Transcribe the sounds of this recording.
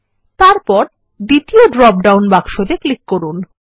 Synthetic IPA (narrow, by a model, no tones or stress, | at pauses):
t̪aɾpɔɾ | d̪it̪ioɖɾɔp̚ɖawnbakʃod̪eklikːoɾun